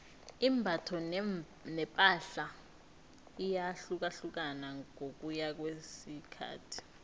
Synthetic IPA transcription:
imbʱatʰɔ | nɛpʼaɬa | ijaɬuk̬aɬuk̬anaok̬ujak̬wesikʰa̰ːtʰi̥

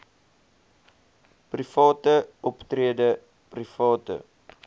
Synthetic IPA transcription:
prifɑːtəɔptriədə | prifɑːtə̰

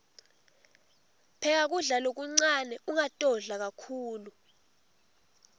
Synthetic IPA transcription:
pʰɛk̬ak̬uɮalok̬uŋ͡ǀanɛʔuŋatʼɔɮak̬akʰuːlu

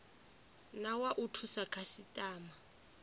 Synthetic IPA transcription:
nawaʔutʰusakʰasitʼaːma

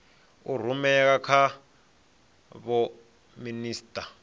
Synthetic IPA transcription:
ur̤umɛkakʰa | βɔ | miniːstʼa

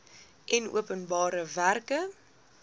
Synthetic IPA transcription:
ʔɛnṵəpənbɑːɾəværkə

